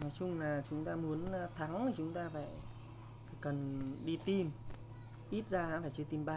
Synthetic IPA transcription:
nɔ˨˦jt͡ɕʊ˧ŋ͡mlaː˨˩t͡ɕʊ˨˦ŋ͡mt̪aː˧mu˨˦ənː˧t̪ʰa˨˦ŋaː˨˩t͡ɕʊ˨˦ŋ͡mt̪aː˧faː˧˩j | ffaː˧˩jkə˨˩nɗi˧t̪i˧m | ʔi˦˥t̚zaː˧˦faː˧˩jt͡ɕɨ˧t̪i˧mɓa˧

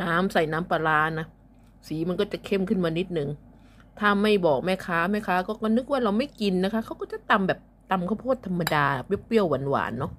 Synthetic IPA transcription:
naː˦˥msa˨˩jnaː˦˥mpa˧laː˧na˦˥ | siː˨˩˦ma˧nkɔː˥˩t͡ɕa˨˩kʰe˥˩mkʰɯ˥˩nmaː˧ni˦˥t̪̚nɯ˨ŋ | t̪ʰaː˥˩ma˥˩jbɔː˨˩k̚maː˥˩jkʰaː˦˥ma˥˩kʰaː˦˥kɔː˥˩kɔː˥˩nɯ˦˥k̚waː˥˩ɾa˧wma˥˩jki˧nːa˦˥kʰa˦˥kʰa˦˥wkɔː˥˩t͡ɕa˨˩t̪a˧mbɛː˨˩p̚t̪a˧mkʰa˥˩pʰoː˥˩t̪ʰːa˧mːa˧daː˧˨˩p̚jeː˦˥˩p̚bi˥˩əwːa˧˦nwa̰ː˩˦nːɔ˦˥

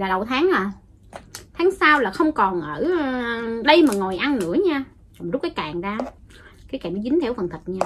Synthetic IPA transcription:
laː˨˩ə˨˩wt̪ʰaː˨˦ŋʔaː˨˩ | t̪ʰaː˨˦ŋsaː˧wlaː˨˩xə˧wŋ͡mkɔ˨˩nʔəː˧˩˧ɗə˧jmaː˨˩ŋo˨˩jʔa˧nnɨ̰˧˥əɲaː˧ | kɔ˨˩mzʊ˦˥t̚kaː˨˦jkaː˨˩ŋzaː˧kaː˨˦jka˧˩mɗə˨˦zï˨˦t̪ʰɛ˧˩wfə˨˩nt̪ʰi˨˩t̚ɲaː˧

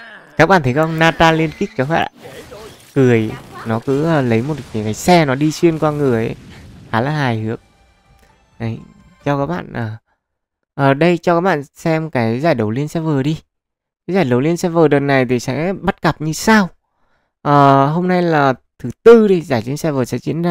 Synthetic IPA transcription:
kaː˦˥k̚ɓa̰ː˧˨t̪ʰə˨˦kʔŋ͡mnaː˧t̪aː˧li˧ənki˦˥k̚kaː˨˦wɛ̰˧˨˩ | kɨ˨˩əjnɔ˨˦kɨ̰˧˥əː˨˩lə˨˦jmo˨˩t̚ki˨˦kaː˨˦jsɛ˧nɔ˨˦ɗi˧swi˧ənkwaː˧ŋɨ˨˩əjʔə˨˦jxaː˨˦laː˨˩ɦaː˨˩jhɨ˨˦ək̚ | ʔə˨˦j | t͡ɕɔ˧kaː˦˥k̚ɓa̰ː˧˨nʔəː˨˩ | ʔəː˨˩ɗə˧jt͡ɕɔ˧kaː˦˥k̚ɓa̰ː˧˨nsɛ˧mkaː˨˦jzaː˧˩jɗə˨˦wli˧ənsɛ˧˥vəː˨˩ɗi˧ | kaː˨˦zaː˨˩jɗə˨˩wli˧ənsɛ˧vəː˨˩ɗəː˨˩t̚na˨˩jt̪ʰi˨˩sɛ̰˧˥ɓa˦˥t̚ka˨˩p̚ɲɨ˧saː˧w | ʔəː˨˩ɦo˧mna˧jlaː˨˩t̪ʰɨ˨˦t̪ɨ˧ɗi˧zaː˧˩jt͡ɕḭ˧˦nsɛ˧vəː˨˩sɛ̰˧˥t͡ɕḭ˧˥ənzaː˧

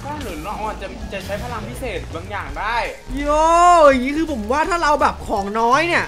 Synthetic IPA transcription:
kɔː˥˩nɯ˩˦ɾɔ˧ʔɔː˨˩nt͡ɕa˨˩t͡ɕa˨˩t͡ɕʰa˦˥jpʰaː˧la˧mpʰi˦˥seː˨˩t̪̚baː˧ŋjaː˨˩ŋdaː˥˩j | joː˧˩˧ŋiː˦˥kʰɯː˧pʰo˩˦mwaː˥˩t̪ʰaː˥˩ɾa˧wbɛː˨˩p̚kʰɔː˩˦ŋnɔː˦˥jni˥˩ɐʔ

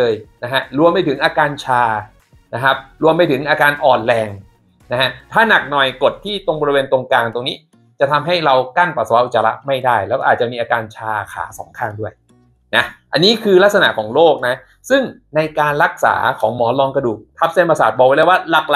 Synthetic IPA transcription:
ɤː˧jna˦˥kʰa˦˥ɾu˧əmpa˧jt̪ʰɯ˩˦ŋʔaː˧kaː˧nt͡ɕʰaː˧ | na˦˥kʰa˦˥p̚ɾu˧əmpa˧jt̪ʰɯ˩˦ŋʔaː˧kaː˧nʔɔː˨˩nlɛː˧ŋ | na˦˥kʰa˦˥t̪ʰaː˥˩na˨˩k̚nɔ˨˩jko˨˩t̪ʰːiː˥˩t̪o˧ŋbɔ˧ɾi˧weː˧nt̪o˧ŋkaː˧ŋt̪o˧ŋniː˦˥ | t͡ɕa˨˩t̪ʰa˧mɦa˥˩jɾa˧wka˥˩npa˨˩t̪̚sa˧wa˦˥ʔu˨˩t͡ɕaː˧la̰˦˥ʔma˥˩jdaː˥˩jlɛː˦˥wkɔ˥˩aː˨˩t̪̚t͡ɕa˨˩miː˧ʔaː˧kaː˧nt͡ɕʰaː˧kʰa̰ː˩˦sɔ̰ː˩˦ŋkʰaː˥˩ŋdu˥˩əj | na˦˥ʔa˧nːiː˦˥kʰɯː˧la˦˥k̚sa˧na̰˨˩ʔkʰɔː˩˦ŋloː˥˩k̚na˦˥ | sɯ˥˩ŋ | na˧jkaː˧nɾa˦˥k̚sa̰ː˩˦kʰɔː˩˦ŋmɔː˩˦lɔː˧ŋkɾa˧duː˨˩k̚t̪ʰa˦˥p̚se˥˩˨pa˧saː˨˩t̪̚bɔː˨k̚wa˦da˥˩waː˥˩la˨˩k̚la˨

